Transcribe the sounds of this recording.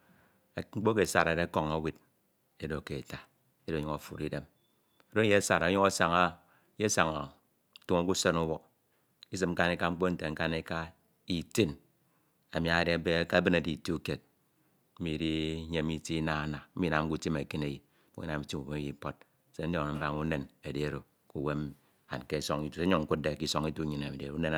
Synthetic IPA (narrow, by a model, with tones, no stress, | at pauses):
ŋ͡m̩˦k͡po˦k̬e˨sa̰˨ɾa˨ɾe˦ko˨ŋo˦wi˦d | e˦do˨ke˨ta˨ | e˦dɲu˦ŋo˨fṵ˨ɾi˦de˦m | e˨do˦je˦sa˨ɾo˨˦ɲu˦ŋa˦sa˨ŋa˦ | je˦sa˨ŋa˨˦ | tu˦ŋo˦ku˦so˦nu˦wɔ˦k̚ | i˦s̬ɨ˨mŋ͡m̩˦ka˦ne˦ka˦ŋ͡m̩˦k͡po˦n̩˦˨te˨ŋ̩˦ka˦ne˦ka˦ | i˨ti˦n | a˨mi˨a˨ɾe˦a˦be˦ka˦bɨ˦na˨di˨tu˦ke˨t̚ | m̩˦mi˨ɾi˦ɲe˨˦mi˦ti˦na˦na˨˦mi˦na˨ŋ̩˦ku˦ti˦me˨ke˦ne˦ji˨˦ | ko˦na˨mi˨ti˦mu˨we˦e˦ji˦po˦t̚ | se˦n̩˦o˦˨n˨m̩˦ba˦ŋu˦ne˨ne˨de˦e˦˨ɾo˨ | ku˨we˦m | a̰˨n˨ke˦so˦ŋi˦tu˨e˦ɲu˦ŋ̩˦ku˦t̚de˨ki˦so˦ŋi˦tu˦ɲi˨na˨mi˨de˨ɾne˦n˨